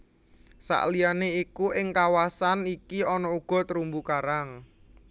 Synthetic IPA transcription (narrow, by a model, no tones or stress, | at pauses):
sa̰ʔlianeikuʔɪŋkawasanikiɔnɔuɡ̥ɔ̤t̪əɾumbukaɾaŋ